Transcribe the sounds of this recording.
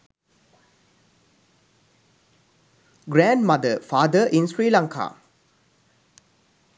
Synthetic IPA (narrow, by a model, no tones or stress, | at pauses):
ɡɾɛ̃nmadəfad̪əʔĩnsɹilãŋkʰa̰